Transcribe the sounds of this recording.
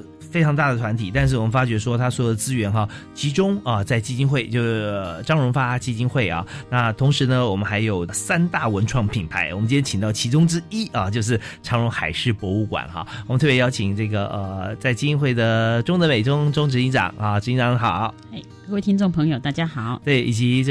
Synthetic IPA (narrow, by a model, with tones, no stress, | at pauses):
fe˥ɪʈ͡ʂʰɑ˧˥ŋt̪̬a˥˩d̪ə˩t̪ʰwa˧˥nt̪ʰi˨˩t̪a˥˧nʂ̬ɻ̩˥˩wɔ˨˩mə˦nfa˥t͡ɕɥɛ˧˥ʂ̬wɔ˥t̪ʰa˥swɔ˥˩d̪ə˩t͡sɹ̩˥ɥɛ˧˥nxɑ˥˧t͡ɕʰi˧˥ʈ͡ʂʊ˥ŋə˧t͡sa˥˩ɪt͡ɕi˥˧t͡ɕi˥nxwe˥˩ɪt͡ɕjo˥˧ʊʂ̩˥˩ə˩ʈ͡ʂɑ˥ŋɻʊ˧˥ŋfa˥t͡ɕi˥t͡ɕi˥nxwe˥˩ɪɐ̰˩na˥˩t̪ʰʊ˧˥ŋʂɻ̩˧˥nə˧wɔ˨˩mə˦nxa˧˥ɪjo˨˩ʊsa˥nt̪a˥˩wə˧˦˥nʈ͡ʂʰwɑ˥˩ŋpʰi˨˩npʰa˧˥ɪwɔ˨˩mə˦t͡ɕi˥ɛ˥t͡ɕʰi˨ŋt̪ɑ˥˩ʊt͡ɕʰi˧˥ʈ͡ʂʊ˥ŋʈ͡ʂɻ̩˥i˥ɐ˨t͡ɕjo˥˧ʊʂ̬ɻ̩˥˩ʈ͡ʂʰɑ˧˥ŋɻʊ˧˥ŋxa˨˩ɪʂɻ̩˥˩pwɔ˧˥u˥˩kwa̰˨˩˦nxɑ̰˧˦wm˦nt̪ʰɤ˥˩pjjɑ˥ʊt͡ɕʰi˨˩ŋʈ͡ʂɤ˥˩ɡə˩ʔə˧t͡sa˥˩ɪt͡ɕi˥˩t͡ɕi˥nxwe˥˩ɪd̪ə˩ʈ͡ʂʊ˥ŋd̪ə˨me˨˩ɪʈ͡ʂʊ˥ŋʈ͡ʂʊ˥ŋʈ͡ʂɻ̩˧˥i˧˥ʈ͡ʂɑ̰˨˩˦ŋɐ˧ʈ͡ʂɻ̩˧˥i˥nʈ͡ʂɑ˨˥ŋ˧xɑ˨˩˦ʊ | e˥˩ɪkə˥˧e˥˩t̪ʰi˥ŋʈ͡ʂo˥˩ŋpʰɤ˧˥ŋjo˨˩ʊt̪a˥˩t͡ɕja˥xɑ˨˩˦ʊt̪we˥˩ɪḭ˨˩t͡ɕi˧˥